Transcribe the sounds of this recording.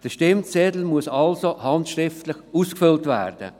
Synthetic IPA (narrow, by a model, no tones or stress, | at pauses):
d̥əʃtɪmt͡sɛd̪l̩muəsɑlsohɑntʃɾɪftləχuːskfʏltvæ̰ːɾd̥ə̰